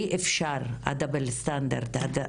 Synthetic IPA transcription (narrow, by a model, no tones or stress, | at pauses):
ʔefʃaɾʔa̰d̪abelst̪and̪a̰ɾd̪ad̪